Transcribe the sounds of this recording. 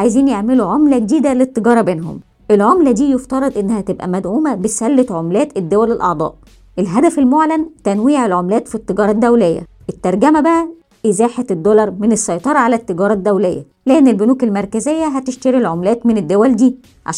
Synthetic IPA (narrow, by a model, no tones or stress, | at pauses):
ʕajziːnjeʕmeluʕomlæɡed̪iːd̪ælet̪ˤːeɡɑːɾˤɑbeːnɦo̰m | ʔelʕomlæd̪iːjoft̪ɑɾˤɑd̪ˤʔenːæhæt̪ebʔæ̰mæd̪ʕuːmæbesælːet̪ʕomlæːt̪ed̪ːowælelʔɑ̰ʕd̪ˤɑ̰ːʔ | ʔelɦæd̪æfelmoʕlænt̪ænwiːʕelʕomlæːt̪fit̪ˤːeɡɑːɾˤɑd̪ːæwlejːæ̰ | ʔet̪ːɑɾˤɡæmæbæʔæ | ʔezæːħet̪ed̪ːolɑɾˤmenesːɑjt̪ˤɑɾˤɑʕalæt̪ːeɡɑːɾˤɑd̪ːæwlejːæ̰ | læʔnːelbonuːkelmɑɾˤkæzejːæɦæt̪eʃt̪ɑɾilʕomlæːt̪mened̪ːowæld̪iː | ʕa̰